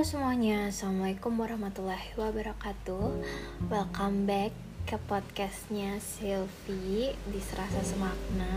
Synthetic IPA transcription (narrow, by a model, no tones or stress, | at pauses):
səmuaɲasamaikumbɔɾahmat̪ulahwabaɾakat̪uwɛlkambɛkː | əpɔd̪̚kɛst̪̚ɲasilfidisəɾasasəmak̚na